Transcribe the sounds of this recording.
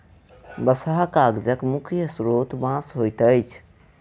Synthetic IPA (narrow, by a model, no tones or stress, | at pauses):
bəsaɦkaɡd͡ʒəkmukʰjəsɾot̪mãsɦojt̪əjt͡ʃʰ